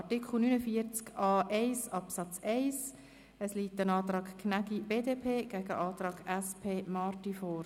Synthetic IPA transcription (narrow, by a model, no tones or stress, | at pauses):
ɑtikʰχl̩ˠnynəfiəɾt͡skɑːʔɛɪsɑpsɑt͡sɛɪs | əsliːtːənɑːt̪ɾɑːɡkʰnæɡib̥eːdepʰeːɡ̥æɡ̥ə̰ʔɑːt̪ɾɑːɡɛspʰeːmɑːrtifɔːɾ